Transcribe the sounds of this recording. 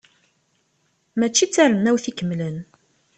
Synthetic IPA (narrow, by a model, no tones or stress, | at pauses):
mæt͡ʃːit͡sːaɾənːæwθikəmːlən